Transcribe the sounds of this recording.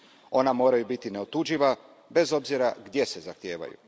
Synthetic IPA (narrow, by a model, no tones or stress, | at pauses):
o̞namo̞ːɾajubit̪ine̞ot̪ud͡ʒiʋa | be̞zo̞bziɾaɡd̪je̞se̞zaxt̪je̞ːʋa̰jṵ